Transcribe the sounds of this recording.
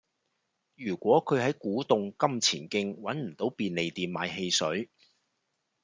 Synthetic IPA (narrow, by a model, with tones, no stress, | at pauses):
jyː˨˩kʷwɔː˨˥kʰɵ˨˧ɥɦɐ˨˥jkuː˨˥t̪ʊ˨˧ŋkɐ˥mt͡sʰiː˨˩nkɪ˧ŋwɐ˨˥nm̩˨˩t̪o˨˥wpiː˨˧nle˨jt̪iː˨nmaː˨˧jɦe˧jsɵ˨˥ɥ